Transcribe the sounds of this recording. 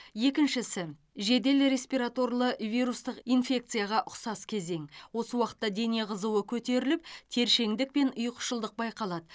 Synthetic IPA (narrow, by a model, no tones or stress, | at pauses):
je̞kʲɪnʃɪsɪ | ʒe̞d̪e̞lɾe̞sʲpiɾat̪o̞ɾlˠəvijɾust̪əqinfʲe̞k̚t̪sɨjaʁɑʔʊqsɑskʲʰe̞ze̞ŋwo̞səwɑqə̥t̪ːɑd̪e̞ne̞ʁəzuwəkʲʰɵt̪e̞ɾɪlɪp̚t̪ʰe̞ɾʃe̞ŋd̪ɪk̚pe̞nʊjqʰʊ̥ʃəlˠd̪əq̚bɑjqɑlˠɑd̪ə